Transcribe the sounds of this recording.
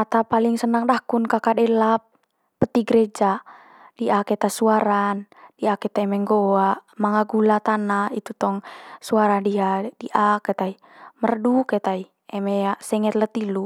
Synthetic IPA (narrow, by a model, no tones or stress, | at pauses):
at̪apaliŋsənaŋdakunkakadɛlap̚ː | ət̪iɡəɾɛd͡ʒa | d̥iʔakɛt̪asuaɾan | diakɛt̪aɛmɛŋɡoaʔmaŋaɡulat̪anait̪ut̪ɔŋsuaɾadiadiʔakɛt̪ai | mərdukɛt̪ai | ɛmɛasɛŋɛt̪lət̪ilu